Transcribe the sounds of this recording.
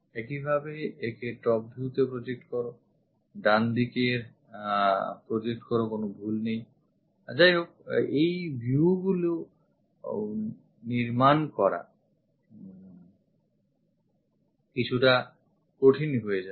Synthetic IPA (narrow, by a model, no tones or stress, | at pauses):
ɛkibʱabeekeʈɔp̚bʱiut̪epɾod͡ʑek̚ʈkɔɾo | ɖand̪ikeɾ | pɾod͡ʑek̚ʈkɔɾokonobʱulnej | d͡ʑajɦok̚ejbʱuɡulo | niɾmankɔɾa̰ | kit͡ɕʰuʈa | koʈʰinɦojed͡ʑa